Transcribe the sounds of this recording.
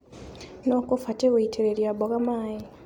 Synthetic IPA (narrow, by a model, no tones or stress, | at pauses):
noːkofateweitʰeɾeɾjaboɣamaːji